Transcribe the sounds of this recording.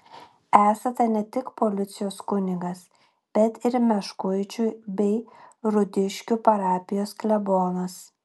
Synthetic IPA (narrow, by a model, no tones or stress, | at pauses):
æːsɐt̪ɐnʲɛt̪ʲɪkpoːlʲɪt̪sʲɪjoːskʊnʲɪɡɐs | b̥ʲɛt̪ɪɾmʲɛʃkʊɪt͡ʃʲʊbʲɛɪɾʊd̪ʲɪʃʲkʲupɐɾɑːpʲɪjoːsklʲɛboːnɐs